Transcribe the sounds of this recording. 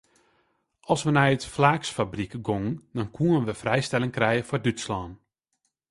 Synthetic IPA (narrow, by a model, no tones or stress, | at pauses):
ʔɑlˠsʋənɛjətflaːksfabrikɡoŋəndɔnkʰuənʋəfrɛjstɛlɪŋkrɛjəfɔrdytslɔːn